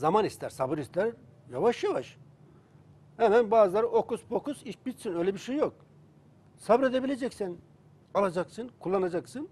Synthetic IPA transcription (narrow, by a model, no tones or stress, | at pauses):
zamanist̪ʰæɾsabɯɾist̪ʰæɾ | javaʃjavaʃ | hɛmænbaːzɯlˠaɾɯʔokusbokuziʃbit̪sinøjlʲɛbiɾʃejːjo̞k̚ | sabɾed̪ebilʲed͡ʒɛcsæn | alˠad͡ʒaksɯnkʰulˠːanad͡ʒaksɯn